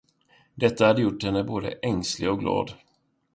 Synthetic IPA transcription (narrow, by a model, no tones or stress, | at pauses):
d̪ɛt̪ːahad̪ːəjʊʈːhɛnːəboːd̪ə̰ʔɛŋslɪɡɔk̚ɡlɑ̰ːd̪